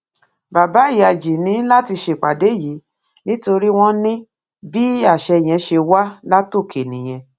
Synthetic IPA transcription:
ba˨ba˨˦i˦˨a˨d͡ʒi˨nĩ˨˦la˦ti˧ʃe˦˨k͡pa˨de˨˦˨ji˨˦ | nĩ˦to˧ɾi˦w̃ɔ̃˦nĩ˦ | bi˦a˦˨ʃɛ˧˨j̃ɛ̃˨˧ʃe˧wa˦la˦to˦˨kʰe˨nĩ˨j̃ɛ̃˧

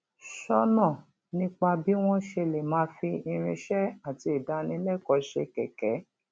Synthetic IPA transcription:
ʃɔ˧nã˦˨ | nĩ˦k͡pa˧bi˦w̃ɔ̃˦ʃe˧le˨mãː˨˦fi˧i˧ɾ̃ĩ˧ʃɛ˦a˦˨ti˧i˨da˧˦nĩ˨˧˦lɛ˦˨kɔ˧ʃe˧˨kɛ˨kɛ˨˦

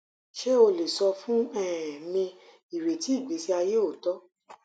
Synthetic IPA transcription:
ʃe˦o˧le˨sɔ˧fũ˦ɛ˦˨mĩ˧ | i˨ɾe˨ti˨˦i˦˨ɡ͡bi˨˦si˦a˧je˦o˦˨tɔ˦

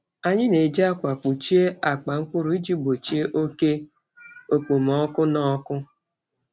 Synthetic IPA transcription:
a˨ɲɪ˦ne˨d͡ʒi˦a˦kʷa˨k͡pu˨t͡ʃi˦e˦a˨k͡pa˨ŋ̩˦kʊ˦ɾu˨˦i˦d͡ʒi˦bo˨t͡ʃi˦e˦ʔo˦ke˦ | o˨k͡po˨m̩˨ɔ˦kʊ˦nɔ˦kʊ˦

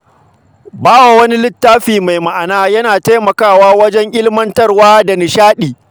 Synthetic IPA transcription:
baː˦wa˨wɐ˦ni˦lɪ˦tːaː˦ɸiː˨ma˨jma˨ʔa˨naː˦jɐ˦naː˨ta˦jmɐ˨kaː˦˨waː˦wɐ˦d͡ʒɛ˦ŋʔɪ˦lmɐ˦ntɐ˦rwaː˦da˨nɪ˨ʃaː˦ɗiː˨

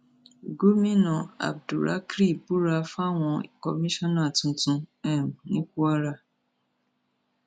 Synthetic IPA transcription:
ɡo˦mĩ˦nɔ̃˨a̰˨b̚du˨ɾa̰˨˦kɾi˦˨bu˦ɾa˧fa˦˨w̃ɔ̃˧i˨kɔ̰˧mĩ˦ʃɔ̃˦nã˦˨tũ˧tũ˧ɛ̃˦˨nĩ˦ku˦a˦ɾa˦˨

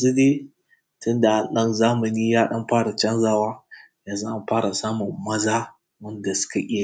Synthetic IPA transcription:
jɐ˨zu˦de˦ | tʊ˦nda˨ʔa˨nɗɐ˦nzaː˦mɐ˨ni˦jaː˦ɗɐ˦mɸaː˦ɽa˨t͡ʃɐ˦nzaː˦waː˦ | jaː˨za˦ʔa˦mɸaː˦ɾa˨saː˦mʊ˨mːɐ˦zaː˦ | wɐ˦nda˨sʊ̥˦ka˨ʔʲʼɪ˦

